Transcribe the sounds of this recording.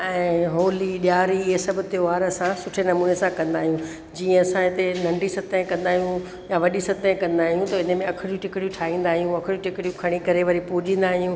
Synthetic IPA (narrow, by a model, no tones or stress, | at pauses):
ɛ̃ːɦoːliɗjaːɾiɦesɐbɪt̪eʋaːɾsãsʊʈʰenɐmuːnesãkɐ̃nd̪aːɦijũ | d͡ʑiːə̃ɐsãɪt̪enɐ̃ɳɖisɐt̪əẽkɐ̃nd̪aːɦijũ | jaʋɐɗisɐt̪əẽkɐ̃nd̪aːɦijũt̪ɐɪnəmẽɐkʰɪɽijũʈɪkɪɽijũʈʰaːɦĩːn̆d̪aːɦijũɐkʰɪɽijũʈɪkɪɽijũkʰɐɽ̃ikɐɾeʋɐɾipuːd͡ʑĩːnd̪aːɦijũ